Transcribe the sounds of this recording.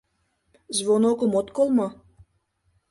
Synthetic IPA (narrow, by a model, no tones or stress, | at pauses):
zβonokumot̪kolmɤ